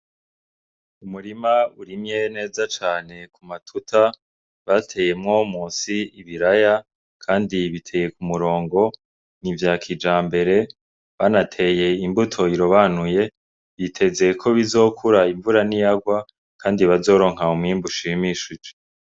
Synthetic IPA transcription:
umuɾimauɾimɲene̞ːzat͡ʃaːne̞kumatʰutʰa | βatʰe̞je̞mŋo̞muːsiiβiɾaja | kʰaːndiβitʰe̞je̞kumuɾo̞ːŋɡo̞ | nivjaːkʰid͡ʒaːmbe̞ɾe̞ | βanatʰe̞je̞imbutʰo̞iɾoβanuje̞ | βitʰe̞ze̞kʰo̞βizo̞ːkʰuɾaiɱvuɾanijaɡwa | kʰaːndiβazo̞ːɾo̞ŋ̥ɦaumŋiːmbuʃimiʃud͡ʒe

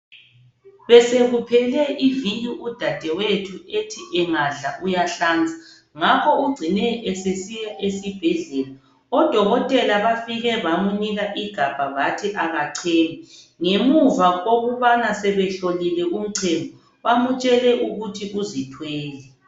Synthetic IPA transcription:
βɛseɣupʰɛlɛʔiviɲuʔud̥ʱad̥ʱɛwetʰuetʰiʔɛŋaɮaʔujaɬaːnd͡zʱḁ | ŋakʰɔuɡ͡ǀʱinɛɛsesijaʔesib̥ʱɛɮɛla | ɔd̥ʱɔɣɔtʼɛlaβafiɣɛβamuniɣaʔiɡ̥ʱab̥ʱaβatʰiʔaɣaǀʰeːnɛ | ŋemuvaɣoɣuβanasɛβɛɬolilɛʔum̩ǀʰɛmʱɔ | βamut͡ʃʼɛlɛʔuɣutʰiʔuzitʰwɛːlɛ

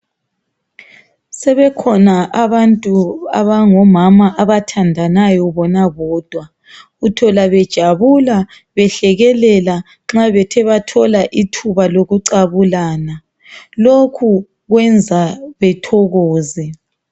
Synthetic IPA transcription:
sɛβɛkʰɔnaʔaβantʼuaβaŋɔmamaʔaβatʰandʱanajɔβɔnaβɔːd̥ʱwa | utʰɔlaβɛd̥ʒ̥ʱaβula | βɛɬɛɣɛlɛla | ŋ͡ǁaβɛtʰɛβatʰɔlaʔitʰuβaloɣuǀaβulaːna | lokʰu | ɣwɛnd͡zʱaβɛtʰɔɣɔːzɛ

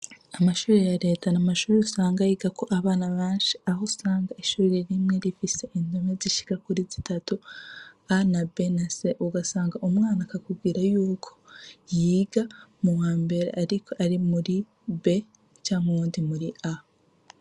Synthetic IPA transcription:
amaʃuːɾejaɾe̞ːtanamaʃuːɾeusaːŋɡajiːɡako̞ʔaβaːnaβaːnʃi̥ahosaːŋɡaiʃuːɾiɾimŋe̞ɾifise̞ʔindomeziʃi̥kakuɾizitatu | anabe̞naseʔuɡasaːŋɡaʔumŋaːnakakubɡiɾajuːkʰo̥jiːɡamuwaːmbe̞ɾḛʔaɾikʰo̞ʔaɾimuɾi | be̞ | t͡ʃaːŋuβuːndimuɾia

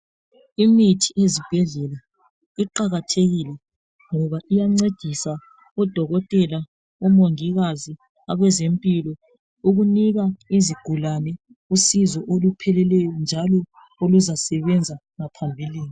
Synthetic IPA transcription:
imitʰiʔezib̥ʱɛɮɛla | iǃaɣatʰeɣilɛ | ŋɔβaʔijaŋ͡ǀed̥ʱisa | ɔd̥ʱɔɣɔtʼɛla | ɔmoŋiɣazi | aβɛzempʼilɔ | uɣuniɣaiziɡ̥ʱulanɛ | usizɔʔolupʰɛlɛlɛjɔnd͡ʒʱalɔ | oluzasɛβɛnd͡zʱa | ŋapʰambʱiliːni

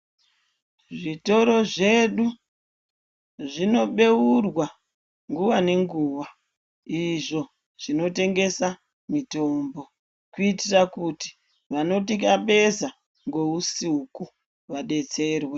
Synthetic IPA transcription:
ʐito̞ɾo̞ʐe̞ɗu | ʐino̞ɓe̞urwa | ŋɡuʋane̞ŋɡuːʋa | iʐo̞ | ʐ̥ino̞te̞ŋɡe̞sa | mito̞ːmbo̞ | kuitirakuti̥ | ʋano̞tikaɓe̞za | ŋɡo̞usiɦuku | ʋaɗe̞t͡se̞ːrwe

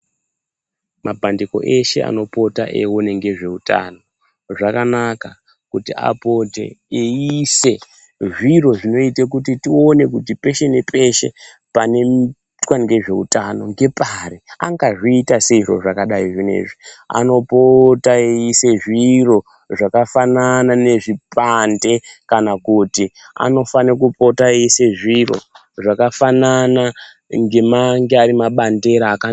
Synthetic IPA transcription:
mabʱandiko̞̰ʔe̞ʃe̞ʔa̰no̞po̞ta̰ʔḛwone̞ŋɡe̞ʐe̞uta̰no̞ | ʐakanaka | kutia̰potḛeise̞ | ʐiro̞ʐino̞itek̬utitio̞ne̞k̬utipe̞ʃe̞ne̞pʰʼe̞ʃe̞̰ | pane̞ | twaniɡe̞ʐe̞ṵtano̞ŋɡe̞pariaŋɡaʐiːtaseiro̞̰ʐakaɗaiʐine̞̰ʐia̰no̞potaejise̞ʐiro̞ | ʐakafananane̞ʐipande̞kanakutia̰no̞fanek̬upo̞taejise̞ʐiro̞̰ | ʐakafanana | ŋɡe̞maŋɡeaɾimaɓande̞ɾaːka

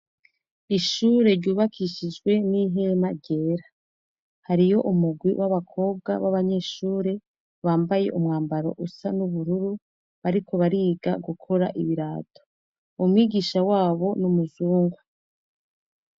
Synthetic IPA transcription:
iʃuːɾe̞ɾɟuːβakʰiʃid͡ʒɡwe̞niɦe̞maɾɟe̞ːɾa | haɾijo̞ʔumuɡwiwʔaβakʰo̞ːb̚ɡa̰βaβaɲe̞ʃuːɾe̞ | βaːmbaje̞̰ʔumŋaːmbaɾo̞̰ʔusanuβuɾuɾu | βaɾikʰo̞βaɾiːɡaɡukʰo̞ɾaʔḭβiɾaːtʰo̥ | umŋiːɡiːʃawaːβo̞numuzuːŋɡwa

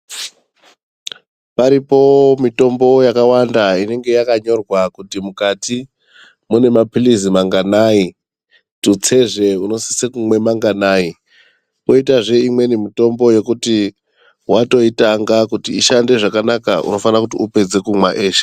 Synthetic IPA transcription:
paɾipo̞mito̞mbo̞jakawandaine̞ŋɡe̞jakaɲo̞rwakutimukati | mune̞mapilizimaŋɡanai | tut͡se̞ʐe̞uno̞si̥sekumwe̞maŋɡanaːi | poitaʐe̞imwe̞nimito̞mbo̞je̞kuti | wato̞itaŋɡakutiiʃande̞ʐakanaka̰ʔṵno̞fanrakutiupe̞d͡ze̞kumwaʔeːʃe̥

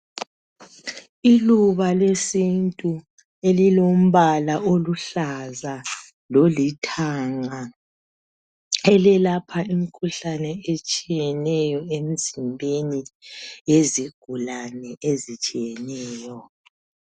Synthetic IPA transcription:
iluβalesintʼu | elilom̩βalaoluɬaza | lolitʰaŋa | ɛlɛlapʰaim̩kʰuɬanɛet͡ʃʼijɛnɛjɔem̩zimbʱeni | eziɡ̥ʱulanɛezit͡ʃʼijɛnɛːjɔ

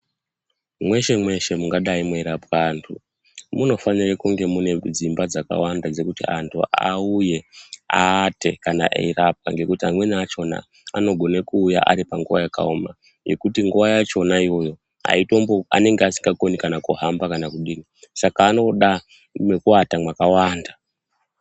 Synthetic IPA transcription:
mwe̞ʃe̞mwe̞ʃe̞muŋɡaɗaimeiɾapkaːntʰu | muno̞fanirekuŋɡe̞mune̞d͡zimbad͡zaka̰wandad͡ze̞kutiantʰṵʔa̰uje̞aːte̞kanaʔḛirap̚kaŋɡe̞kutiamwe̞naːt͡ʃo̞na̰ | ano̞ɡʱo̞nekuːjaʔa̰ɾipaŋɡuʋajaka̰uma̰ | je̞̰kutiŋɡuʋajat͡ʃo̞naiwo̞jo̞ | a̰ito̞mboa̰ne̞ŋɡeasi̥ŋɡako̞nikanakuɦambakanakuɗiːnisakaːno̞ɗa | mekuatamwakawaːnda

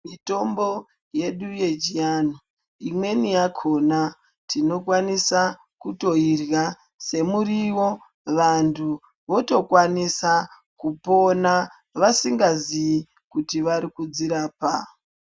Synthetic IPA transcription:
mito̞mbo̞ | je̞ɗuje̞d͡ʒiano | imwe̞nijakʰo̞na | tino̞kwanisa | kuto̞irɣa | se̞muriwo̞ | ʋantʰu | ʋo̞to̞kwanisa | kupo̞na | ʋasiŋɡazii | kutiʋaɾikud͡ziɾaːpa

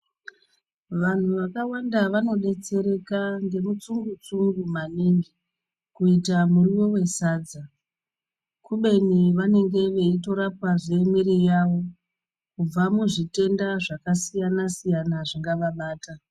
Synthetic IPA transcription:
ʋan̤uʋakawandaʋano̞ɗe̞t͡se̞ɾe̞kaŋɡe̞mut͡suŋɡut͡suŋɡumaniŋɡi | kuitamuriwo̞we̞saːd͡za | kuɓe̞niʋane̞ŋɡe̞ʋe̞ito̞ɾapwaʐe̞miɾijaʋo̞ | kub͡vamuʐite̞ndaʐakasijanasijanaʐiŋɡaʋaɓaːta

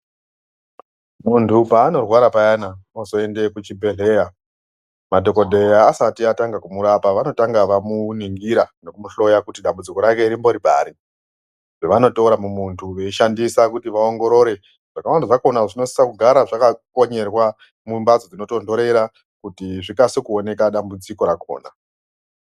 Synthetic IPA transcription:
muntʰupaːno̞rwaɾapajanaosoe̞nde̞kut͡ʃibe̞ɮe̞ːja | mado̞ko̞dʱeaːsatiataŋɡakumuɾapaʋano̞taŋɡaʋamuniŋɡiɾano̞kumuɬo̞jakutiɗambud͡ziko̞ɾake̞iɾimbo̞ɾibʱa̰ːɾi | ʐeʋano̞touɾamumuntʰuʋeiʃandisakutiʋao̞ŋɡo̞ɾo̞ɾe̞ | ʐ̥akawandaʐako̞naʐino̞si̥sakuɡʱaɾaʐakako̞ɲe̞rwa | mumbad͡zod͡zino̞to̞ndo̞ɾe̞ɾa | kutiʐikasikuo̞ne̞kaɗambud͡ziko̞ɾako̰ːna

